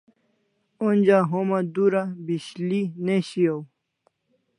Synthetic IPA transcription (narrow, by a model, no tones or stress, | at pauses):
onʲd͡ʑaɦomad̪uɾabiɕlineɕijow